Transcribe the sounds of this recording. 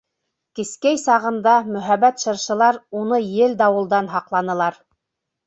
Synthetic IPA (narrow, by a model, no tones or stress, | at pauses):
kĭskæjsɑʁɤ̆nd̪ɑmɵ̆ɦæβæt̪ʃɤ̆ɾʃɤ̆lˠɑɾunɤjɘld̪ɑwɤ̆lˠd̪ɑnɦɑqlˠɑnɤ̆lˠɑɾ